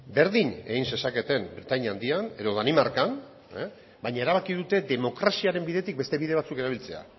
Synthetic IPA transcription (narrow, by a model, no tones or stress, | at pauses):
be̞ɾðiɲe̞̰ɣinse̞sake̞t̪e̞mbɾet̪aɲand̪iane̞ðo̞ðanimaɾkan | e | bajɲae̞ɾaβakið̞ut̪e̞d̪e̞mo̞kɾasiaɾe̞mbiðe̞t̪ik̚be̞st̪e̞βiðe̞βat͡sukeɾaβilt͡se̞a̰